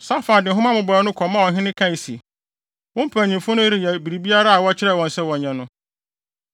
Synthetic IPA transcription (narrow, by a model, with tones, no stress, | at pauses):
sa˦faː˨dɪ˨ɦʊ̃˦mã˦mʊ̃˨bɔ˨˦nʊ̃˦kʰɔ˨mːã˦wɔ̃˨ɦɪ̃˦nɪ̃˦kʰã˦i˨sḭ˨ | wʊ̃˦m̩˦pʰæ˨ɲĩ˨mfʊ̃˦nʊ̃˦i˦ɾi˨jɛ˨bi˨ɾi˨bi˦a˦ɾa˦a˨wɔ˦t͡ɕʰɪ˦ɾɛ˦˨wɔ̃˨n˨sɛ˦wɔ̃˨ɲ˨ɲã˨nʊ̃˦